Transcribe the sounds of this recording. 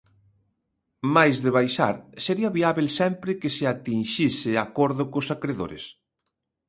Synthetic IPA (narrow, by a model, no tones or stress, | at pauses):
majzðeβajʃa̰ɾseɾiaβiaβelsɛmpɾɪkesɪat̪inʃisɪakoɾðʊkosakɾeðo̰ɾḛs